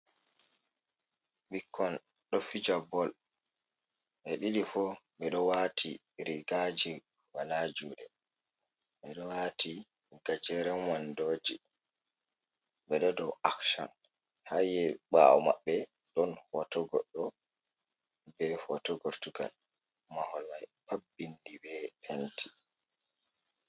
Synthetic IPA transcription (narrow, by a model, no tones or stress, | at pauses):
ɓikʰːɔn | ɗɔfid͡ʒabɔl | ʔɛɗiɗifɔɓɛɗɔwatʰi | ɾiɡad͡ʒi | walad͡ʒuːɗɛ | ɓɛɗɔwaːtʰi | ɡ̥ad͡ʒɛɾɛwandoːd͡ʒi | ɓɛɗɔdɔwʔakʃa̰n | hajɛɓa̰ɔma̰ɓːɛ | ɗɔnhɔtɔɡɔɗːɔ | bɛhɔtɔɡɔɾtuɡa̰l | mahɔlmajpabːindibɛpʰɛntʰi̥